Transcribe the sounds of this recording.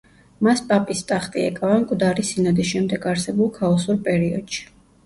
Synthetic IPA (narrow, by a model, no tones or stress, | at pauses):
maspʼapʼist̪ʼaχt̪ʼiɛ̰kʼavamkʼvd̪aɾisinɔd̪isʃɛmd̪ɛɡaɾsɛbulˠkʰaɔsuɾpʼɛɾiɔd̪̥ʃi̥